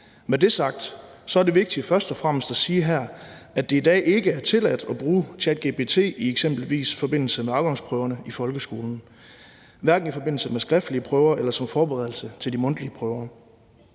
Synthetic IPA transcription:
med̥e̝sɑ̈ɡ̥̚d̥sɒ̽æɐd̥e̝ʋe̝ɡ̥̚d̥ifɶɐsd̥ɒ̽fʁam̰əsd̥æsiːɦæɐ̰æd̥e̝id̥ɛ̰ːʔe̝ɡ̥əæɐt͡sʰe̝læd̥ɒ̽b̥ʁuːt͡sʰæd̥ɡ̥e̝b̥e̝t͡sʰe̝̰ːieɡ̥sem̰b̥l̩ʋḭːsfɒ̽b̥e̝n̰l̩səmeɑ̈ʊɡ̥ɑ̈ŋspʰʁœʊɐnəifɒ̽lɡ̥əsɡ̥o̝ːln̩ | ʋæɐɡ̥n̩ifɒ̽b̥e̝n̰l̩səmesɡ̥ʁɛfd̥liəpʰʁœʊɐʔelɐsɒ̽mfɒːb̥eʁɛð̞ˠl̩sət͡sʰe̝ld̥imɔ̽n̰d̥liəpʰʁœʊɐ

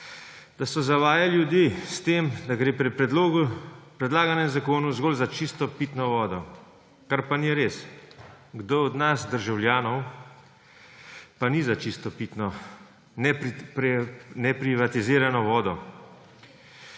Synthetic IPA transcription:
d̪̥asɔzaʋaːjaljud̪iːst̪eːmd̪aɡɾeːpɾɛpɾɛd̪loːɡupɾɛd̪laːɡanjɛmzakoːnuzɡoːlzat͡ʃist̪ɔpit̪nɔʋɔːd̪ɔ | kaɾpaniɾeːs | ɡd̪oːɔd̪nasd̪əɾʒawljaːnɔw | panizat͡ʃist̪ɔpit̪nɔ | nɛ | nɛpɾiʋat̪iziːɾanɔʋɔːd̪ɔ

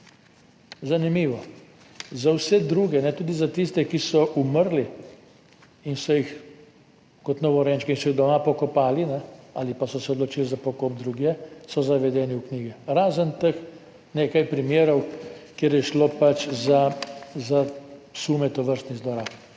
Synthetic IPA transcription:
zanimiːʋɔ | zawsɛd̪ɾuːɡɛnɛt̪uːd̪izat̪ist̪ɛkisɔʔuməɾli | insɔjix | kɔt̪nɔʋɔɾɛnt͡ʃkɛinsɔjiɣd̪ɔmapɔkɔpaːlinɛa̰lipasɔsɛɔd̪lɔt͡ʃiːlizapɔkop̚d̪ɾuɡjɛsɔzaʋɛd̪ɛːniwkniːɡɛɾaːzənt̪əx | neːkajpɾimjeːɾɔwkjeːɾjɛʃlopat͡ʃzazasuːmɛt̪ɔʋəɾst̪nizlɔɾap

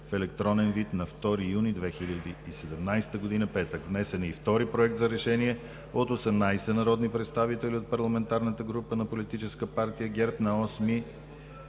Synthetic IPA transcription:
fɛlɛkt̪ɾɔnɛnvit̪nɐft̪ɔɾijunid̪vɛxilʲəd̪iːsɛd̪ɛmnajst̪əɡod̪inəpɛt̪əkvnɛsɛniːft̪ɔɾipɾoɛk̚t̪zɐɾɛʃɛniɛ | ot̪osɛmnajsɛnɐɾɔd̪nipɾɛt̪st̪avit̪ɛliot̪̚pɐɾlˠɐmɛnt̪aɾnət̪əɡɾupənɐpolit̪it͡ʃɛskəpaɾt̪ijəɡʲɛɾpnɐɔsmi

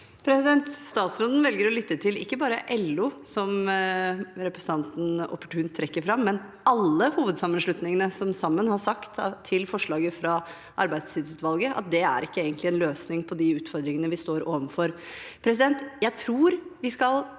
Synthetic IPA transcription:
pʰɾɛsɪd̪ɛnt̪st̪ɑːt̪sɾɔnd̪n̩ʋɛlɡəɾɔlʏt̪ːət̪ʰɪlɪkːəbɑːɾəʔɛlːuːsɔm | ɾɛpɾəsən̩t̪ɑnt̪n̩ɔ̰pːə̥ʈʉːnt̪ʰɾɛkːəɾfɾɑmːɛn | ɑlːəhuːʋəd̪sɑmːənʂɭʉt̪nɪŋənəsɔmsɑmːənhɑsɑkt̪t̪ʰːɪlfɔʂɭɑːɡəfɾɑ | ʔɑ̰ɾbæɪd̪st̪ʰɪːd̪sʉːt̪ʋɑlɡəʔɑ̰t̪̚d̪ɛæ̰ɾɪkːəeːɡənt̪lɪɛnløːsnɪŋpʰɔd̪ɪʉːt̪fɔɾd̪ɾɪŋənəʋɪst̪oːɾoːʋənfɔɾpʰɾɛsɪd̪ɛnt̪jæɪt̪ʰɾuːɾʋɪskɑl

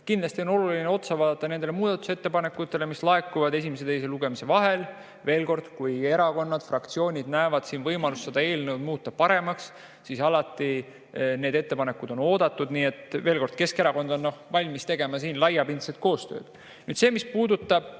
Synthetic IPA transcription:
kind̪lɑsʲt̪io̞no̞lulineo̞t̪sɑvɑːd̪ɑt̪ːˑɑne̞nd̪elemuːd̪̥ɑt̪ːˑu̥se̞t̪ːe̞pɑne̞kːˑut̪ːˑe̞le̞mislɑekːˑuvɑd̪e̞simese̞t̪e̞js̬e̞luɡ̥e̞mise̞vɑɦe̞l | ve̞ːlko̞rd̪̥kuje̞ɾɑko̞nːɑd̪̥frɑkt̪sio̞ːnʲid̪̥næevɑd̪̥siːnvɤjmɑlusːed̪ɑe̞ːlnəwd̪muːt̪ːˑɑpɑɾe̞mɑks | sisɑlɑt̪ːˑi | ne̞ːd̪̥e̞t̪ːe̞pɑne̞kud̪̥o̞no̞ːd̪ɑt̪ːˑud̪niːe̞t̪ve̞ːlko̞rd̪̥ke̞ske̞ɾɑko̞nd̪o̞nːno̞hvɑlʲmist̪e̞ɡ̥e̞mɑsiːnlɑjɑpind̪set̪̚ko̞ːst̪ø̰ːd̪̥ | nyːd̪se̞ːmispuːd̪ut̪ːˑɑb̥̚

